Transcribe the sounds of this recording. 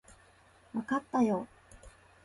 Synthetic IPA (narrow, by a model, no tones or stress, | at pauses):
βakat̪ːajoː